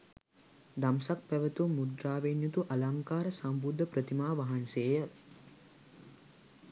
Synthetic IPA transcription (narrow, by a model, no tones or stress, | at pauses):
d̪amsak̚pæʋət̪umːud̪ɾaːʋenjut̪uʔalaŋkaːɾəsambud̪ʱːəpɾət̪imaːʋaɦanseːjə